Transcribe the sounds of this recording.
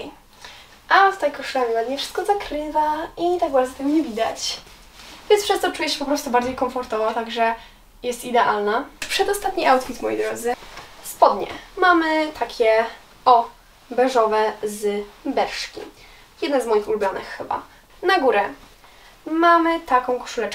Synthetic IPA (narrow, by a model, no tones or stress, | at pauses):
ʔast̪ajkɔʂɨamʲinad̪mɲɛfʂɨ̥st̪kɔzakɾɘvait̪aɡ̚baɾd̪zɔt̪ɛmɲɛvʲid̪at͡ɕ | vʲjɛnspʂɛst̪ɔt͡ʂujɛɕɛpɔpɾɔst̪ubaɾd͡ʑejkɔɱfɔɾt̪ɔvat̪aɡʐɛ | jɛst̪id̪ɛʔalnapʂɛd̪ɔst̪at̪̚ɲiʔawt̪fʲit̪mɔjḛjd̪ɾɔd̪zɘspɔd̪ɲɛ̰mamɘt̪ʰakʲʰɛ | ɔ | bɛʐɔvɛzbɛɾʂkʲḭ | jɛd̪nɛzmɔjixulubʲjɔnɘ̰xːɘba̰ | naɡuɾɛ | mamɘt̪akɔ̃w̃kɔ̥ʂulɛt͡ʂ